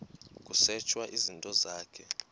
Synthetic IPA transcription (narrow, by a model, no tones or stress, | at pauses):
k̬ʼusɛt͡ʃʰwaʔizintʼɔzaːkʰɛ